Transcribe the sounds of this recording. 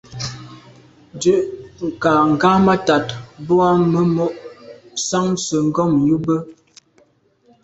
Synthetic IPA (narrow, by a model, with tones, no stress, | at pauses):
dʉ˦ʔŋ̩˨ka˨ŋ̩˨ɡa˦ma˦ta˨tbu˦a˦mə˦mo˦ʔsa˦ŋ˦sə˨ŋ̩˦ɡɔ˦˨mju˦bə˦